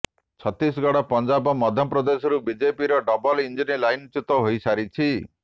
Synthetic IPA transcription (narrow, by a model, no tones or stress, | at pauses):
t͡ʃʰɔt̪ːis̬ɡɔɽɔpɔnd͡ʒabɔmɔd̪ʱjɔpɾɔd̪esɔɾubid͡ʒepiɾɔɖɔbɔlind͡ʒinilajnt͡ʃut̪ɔɦojsaɾit͡ʃʰi